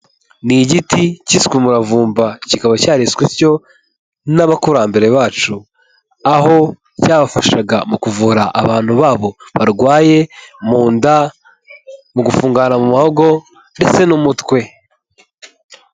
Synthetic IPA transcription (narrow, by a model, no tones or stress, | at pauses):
niɟiticiskumuɾavuːmbacikaβacaːɾiswiɾco̞ | naβakuɾambe̞ɾe̞βaːt͡ʃu | aho̞ | caːβafaʃaɡa̰mukuvuːɾaʔa̰βaːn̥huβaːβo̞βaɾɡwaːje̞muːnda | muɡufuːŋɡanamumahoɡo̞ | nde̞t͡se̞numutkwe̞